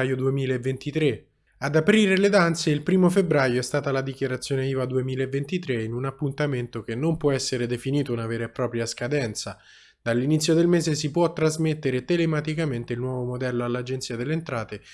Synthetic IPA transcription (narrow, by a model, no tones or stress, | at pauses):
jod̪uemiːlaevːent̪it̪ɾe | ad̪apɾiːɾeled̪ant̪seilpɾiːmofebɾaːjoɛst̪aːt̪alad̪ik̟jaɾat̪sːjoːneiːvad̪uemiːlaevːent̪it̪ɾeinunapːunt̪ament̪ok̟enːompwɔɛsːeɾed̪efiniːt̪ounaveːɾepːɾɔːpɾjaskad̪ɛnt̪sa | d̪alːinit̪sːjod̪elmeːzesipwɔt̪ːɾazmet̪ːeɾet̪elemat̪ikament̪eilnwɔːvomod̪ɛlːoalːad͡ʒent̪siːad̪elːent̪ɾaːt̪e